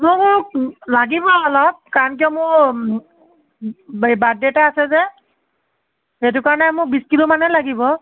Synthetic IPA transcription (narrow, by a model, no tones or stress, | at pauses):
mʊmʊɹk̚laɡibɔɔlɔb̚kaɹɔnk̬ijɔmʊɹ | badɛtaasɛzɛ | ɦet̬ukaɹɔnɛmʊk̚biskilumanɛlaɡibɔ